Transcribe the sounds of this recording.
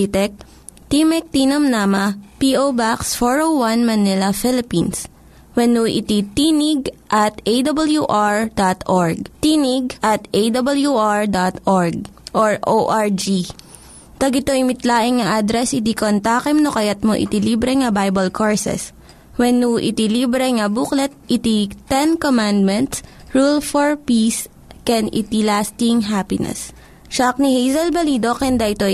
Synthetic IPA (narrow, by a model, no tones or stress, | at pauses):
t̪ɛk̚ | t̪imɛk̚t̪inɐmnamɐpiʔobaksfoɹowwɐnmɐnɪlɐfɪlɪpins | wɛnuʔɪ̰t̪it̪iːnɪɡ̚ʔɐt̪ʔejd̪ɐbɐljuʔaɹd̪at̪ʔoɹɡ̚t̪iːnɪɡ̚ʔɐt̪ʔejd̪ɐbɐljuʔaɹd̪at̪ʔoɹɡ̚ʔoɹʔoʔaɹd͡ʒi | t̪ɐɡɪt̪ojmɪt̪laːʔɪŋŋɐʔad̪ɾɛsɪt̪ikont̪aːkɛmnokɐjɐt̪̚moʔɪ̰t̪iliːbɾɛŋɐbajbɐlkʰoɹsɛ̰s | wɛnːuʔɪ̰t̪iliːbɾɛŋɐbuklɛt̪̚ʔɪt̪it̪ɛnkomand̪̚mɛnt̪s | ɹulfoɹpis | kɛnɪ̰t̪ilaːst̪ɪŋɦapɪnɛ̰s | ʃak̚nihejzɐlbɐliːd̪okɛnd̪ɐʔɪt̪o